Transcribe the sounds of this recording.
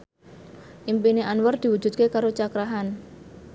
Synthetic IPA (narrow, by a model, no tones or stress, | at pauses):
ʔimpineʔanwərd̪̥iwu̥d͡ʒ̥ṳt̪̚kekaɾot͡ʃakɾaɦan